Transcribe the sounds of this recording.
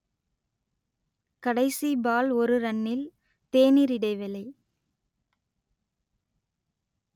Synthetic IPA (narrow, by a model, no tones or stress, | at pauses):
kɐɽɐɪsibaːlɔɾɯɾɐɳːɪl | t̪eːniɾɪɽɐɪʋɐlɐɪ